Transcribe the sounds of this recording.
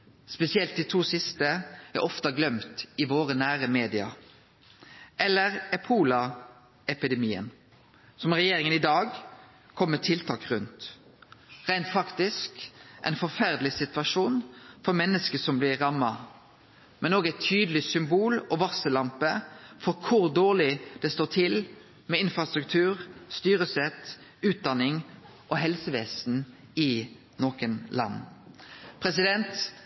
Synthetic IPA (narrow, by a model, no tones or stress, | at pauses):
spɛsɪɛlt̪d̪ɪt̪ʰuːsɪst̪əæ̰ɾʔɔft̪ɑɡlœmt̪ɪʋoːɾənæːɾəmeːd̪ɪɑ̰ | ʔɛlːəɾæpʰuːlɑ | ɛpɪd̪ɛmiːə̰n | sɔmɾɛjeːɾɪŋənɪd̪ɑːɡ | kʰɔmːət̪ʰɪlt̪ʰɑːkʁʉnt̪ | ʁæɪnt̪fɑkt̪ɪskʔæ̰ɪnfɔɾfæʁd̪lɪsɪt̪ʋɑʂuːnfɔɾmɛnːəskəsɔmblɪʁɑmːɑ | mɛnoːɡæɪt̪ʰyːd̪əl̩ɪsʏmbuːlɔʋɑsəlɑmpəfɔɾkʰʊɾd̪oːʁlɪd̪̥ɛst̪oːt̪ʰɪl | mɛɪnfɾɑst̪ɾʉk̚t̪ʰʉːʁst̪yːɾəsɛt̪ | ʉːt̪̚d̪ɑnɪŋ | ʔɔɦɛlsəʋeːsn̩ | ɪ | noːkənlɑ̰nː | pʰɾɛsɪd̪ɛnt̪